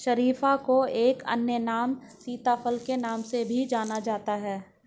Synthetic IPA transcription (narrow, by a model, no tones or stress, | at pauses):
ʃɐɾiːfakoeːkɐ̰njənaːmsiːt̪afʰəlkenaːmsebʱid͡ʒaːnad͡ʒaːt̪aɦɛː